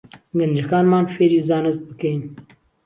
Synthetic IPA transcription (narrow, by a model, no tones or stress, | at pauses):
ɡɨnd͡ʒɨkaːnmaːnfeːɾiːzaːnɨzt̪̚bɨkɛjn